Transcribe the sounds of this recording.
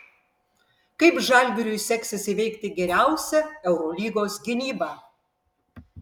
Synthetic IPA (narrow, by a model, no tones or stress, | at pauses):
kɐɪpʒɑˑlʲbʲɪɾʲʊɪsʲɛksʲɛsʲɪʋʲɛɪkt̪ʲɪɡʲɛɾʲæˑʊsʲɛɛʊɾɔːlʲiːɡoːsɡʲɪnʲiːbɑː